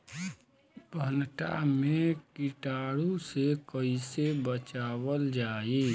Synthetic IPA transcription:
bʱənʈa̰mẽkɪʈaːɽusekəɪsebət͡ʃaːwəld͡ʒaːi

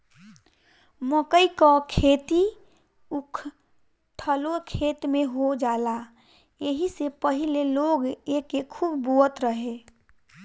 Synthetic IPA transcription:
məkəikɔkʰet̪i | ukʰ | t̪ʰəlokʰet̪meɦod͡ʒala | jeɦisepəɦileloɡeːkːekʰːubbuət̪ɾəɦe

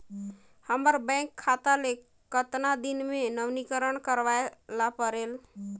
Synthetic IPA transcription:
həməɾbə̃kʰːat̪ale | kət̪nad̪inmenəʋnikəɾənkəɾʋaelapəɾel

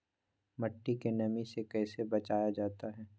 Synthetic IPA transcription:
mɐʈːikenɐmisekɛːsebɐt͡ʃaːjad͡ʒaːt̪aɦɛː

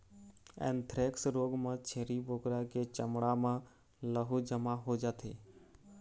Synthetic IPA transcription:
ɛ̰̃ːnt̪ʰɾeːksɾoːɡmãt͡ʃʰeːɾibʱoːkɾaket͡ʃəmɽamã | ləɦud͡ʒəmaɦod͡ʒaːt̪ʰeː

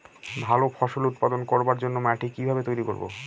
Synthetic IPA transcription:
bʱalofʰɔʃolut̪̚pad̪onkoɾbaɾd͡ʑonːomɛʈʰekibʱabet̪ojɾiko̰ɾbo̰

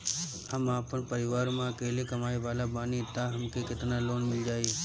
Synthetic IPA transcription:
həmaːpənpəɾɪʋaːɾmãɐkeːlekɐmaːeʋaːlabaːnit̪aɦɐmkekɪt̪naloːnmɪld͡ʒaːie

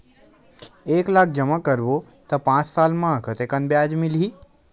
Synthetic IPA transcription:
eklak̚ʰd͡ʒəmãkəɾʋo | t̪əpãt͡ʃsalmãəkət̪ekənbjad͡ʒmili

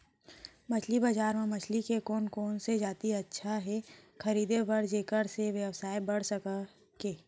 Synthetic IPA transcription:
mɐt͡ʃʰlibɐd͡ʒaːɾmẽmɐt͡ʃʰlikekoːnkoːnsed͡ʒaːt̪iɐtːʃʰaɦɛkɐɾiːd̪ebɐɾd͡ʒeːkəɾseʋjəwsaːebɐɽ̤səka | keː

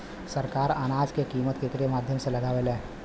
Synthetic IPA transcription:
səɾkaːɾaːnaːd͡ʒkekiːmət̪ket̪ɾemaːd̪ʱjəmselɐɡaːʋelẽː

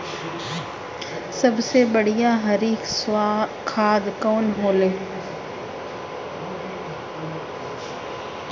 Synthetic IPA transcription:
sɐbsebɐɽ̤ijãɦɐɾiːkskʰaːd̪kɔːnɦoːleː

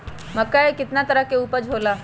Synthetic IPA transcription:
mɐkːaekɪt̪nat̪ɐɾəɦkeuːpəɾd͡ʒʱoːlaː

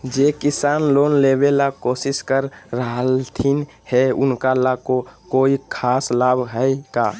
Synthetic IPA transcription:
d͡ʒeːkɪsaːnloːnleːbelakoːsɪskəɾɾəɦəlt̪ʰin | hɛʊnkalakokoːikʰaːslaːbʱɦəikaː

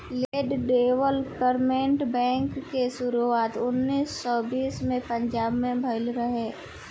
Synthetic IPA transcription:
leːɖɖeːwəlkəɾmẽːɳʈbɛ̃ːŋkːeʃʊɾuaːt̪ʊnːiːsːɔbiːsmẽpə̃ɲd͡ʒaːbmẽbʱəɪlɾəɦeː

